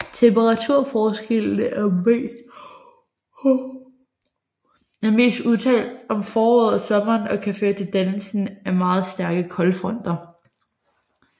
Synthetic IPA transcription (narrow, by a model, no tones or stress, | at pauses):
t͡sʰempəʁɑ̈t͡sʰuɐ̰fɒːsɡ̥el̰nəʔæme | æɐme̝̰ːsd̥uðˠt͡sʰɛ̰ːld̥ɒ̽mfɒːɔːð̰ˠsɒ̽mɐːnɒ̽kʰæføɐt͡sʰed̥ænlsn̩æmɑ̈ːð̞̩ˠsd̥æɐɡ̥əkʰɒ̽lfʁɔn̰d̥ɐ